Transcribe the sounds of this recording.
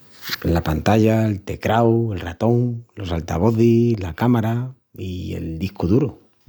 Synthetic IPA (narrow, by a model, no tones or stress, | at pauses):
lapant̪aʝaelt̪e̞kɾawe̞lrat̪o̞ŋlo̞salt̪aβo̞θilakamaɾa | ie̞̰ld̪ihkuðuɾo